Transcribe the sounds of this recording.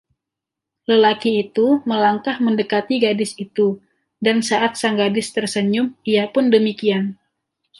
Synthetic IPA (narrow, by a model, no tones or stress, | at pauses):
ləlakiːt̪uməlaŋkahməndəkat̪iɡadɪsit̪u | dansaʔat̪̚saŋɡadɪst̪ərsəɲʊmijapʊndəmikian